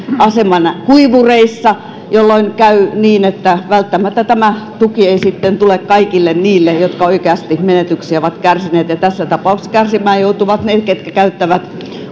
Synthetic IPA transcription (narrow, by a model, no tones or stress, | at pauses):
ɑsemɑnkuiʋureisːɑ | jolːoinkæyniːnet̪ːæʋælt̪ːæmæt̪ːæt̪æmæt̪ukieisit̪ːent̪ulekkɑikilːenniːlːejot̪kɑoikeɑst̪imenet̪yksiæoʋɑt̪kærsineːt̪jɑt̪æsːæt̪ɑpɑukskærsimæːjjout̪uʋɑt̪neːt̪ket̪kækæyt̪ːæʋæt̪